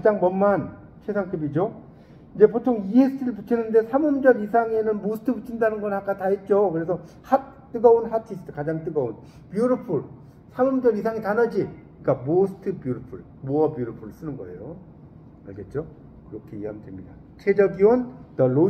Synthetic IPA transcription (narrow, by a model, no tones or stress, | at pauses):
kad͡ʑaŋmʌnmːan | t͡ɕʰesʰaŋt͈ɯbid͡ʑo | id͡ʑe̞potʰoŋiesʰɯtʰɯɾɯɭput͡ɕʰinɯnde̞sʰamomd͡ʑʌɡisʰaŋe̞nɯnmosʰtʰɯput͡ɕʰindanɯnɡʌnak͈ataɦet̚t͡ɕ͈okɯɾe̞sʰʌ | hat̚t͈ːɯɡʌonhatʰisɯ̥tʰɯ̥kad͡ʑaŋt͈ɯɡʌon | pjuɾopʰuɭ | sʰamʌmd͡ʑʌɡisʰaŋetanʌd͡ʑi | k͈amosʰɯ̥tʰɯbjuɾopʰuɭ | muʌbjuɾopʰuɾɯɭs͈ɯnɯnɡʌe̞̰jo | a̰ɭɡe̞t̚t͡ɕ͈o | kɯɾʌkʰe̞iɦamdwemɲida | t͡ɕʰe̞d͡ʑʌɡiwʌntʌɭːo